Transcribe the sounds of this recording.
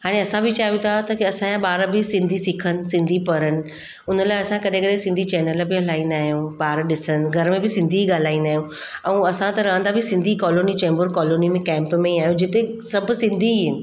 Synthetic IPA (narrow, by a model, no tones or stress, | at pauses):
ɦaːɽ̃eɐsãbɪt͡ɕaːjũt̪ʰat̪ɐkiɐsãjãɓaːɾbɪsɪ̃nd̪ʱisɪkʰənɪ̆sɪ̃nd̪ʱipɐɾənɪ̆ | ʊnəlaːɪɐsãkɐɗẽkɐɗẽsɪ̃nd̪ʱit͡ɕɛːnəlbɪɦɐl̤aːĩn̆d̪aːɦijũɓaːɾɗɪsənɪ̆ɡʱɐɾmẽbɪsɪ̃nd̪ʱiɠaːl̤aːĩnd̪aːɦijũ | ɛ̃ɐsãt̪ɐɾɐɦə̃nd̪abɪsɪ̃nd̪ʱikɔːloːnit͡ɕɛ̃ːmbəɾkɔːloːnimẽkɛ̃ːmpmẽiaːɦijũd͡ʑɪt̪e | sɐbʱsɪ̃nd̪ʱiɦɪnɪ̆